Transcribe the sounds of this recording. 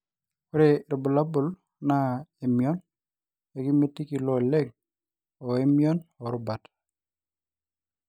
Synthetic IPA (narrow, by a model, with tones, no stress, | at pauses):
o˦ɾe˨ɾɪ˨bu˨la˦bʊ˨l | na˦e˨mjɔ˦n | e˨ki˦me˦ti˦ki˨lɔ˦le˦ŋ̚ | ɔ˨e˦mjɔ˦nɔ˨ɾʊ˦ba˨t